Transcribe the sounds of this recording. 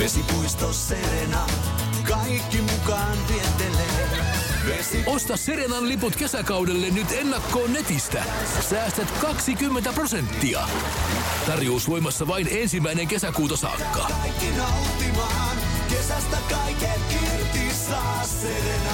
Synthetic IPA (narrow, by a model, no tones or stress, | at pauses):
esipuist̪osːeɾenɑkɑijkːimukɑːnp̪ient̪elːe | ʋesiost̪ɑsːeɾenɑnliput̪ke̞sækɑwdelːenːnyt̪e̞nːɑkːo̞ːnːe̞t̪ist̪æ̰ | sæːst̪æt̪kɑksikymːent̪æpro̞se̞nt̪ːiɑ̰ | t̪ɑrjousʋo̞jmɑsːɑʋɑine̞nsimːæijne̞ŋke̞sækuːt̪ɑsɑ̰ːkːɑ̰ɑikːinɑwt̪ːimɑːn | kesæst̪ækɑikelki | t̪isɑː | eɾenɑ